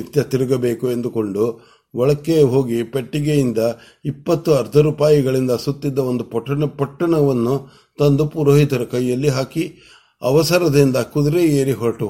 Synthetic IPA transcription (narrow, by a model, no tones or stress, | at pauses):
it̪jɐt̪iɾuɡɐbe̞ːkue̞nd̪uko̞ɳɖu | ʋɔɭɐkːeɦo̞ːɡipeʈːiɡejind̪ɐ | ipːɐt̪ːuɐɾd̪ɐɾuːpaːjiɡɐɭind̪ɐsut̪ːid̪ːɐond̪upɐʈːɐɳɐpɐʈːɐɳɐʋɐnːu | t̪ɐnd̪upuɾoːɦit̪ɐɾɐkɐjjɐlːiɦaːki | ɐʋɐsɐɾɐd̪ind̪ɐkud̪ɾeeːɾiɦɔɾʈu